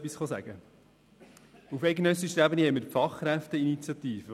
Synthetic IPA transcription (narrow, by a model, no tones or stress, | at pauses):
pːisχɔsæ̰ɡ̥ə | ufɛɪɡnœsiʃɾæbənihɛɪməɾpfɑχːɾæft̪əinit͡sjɑt̪iːfə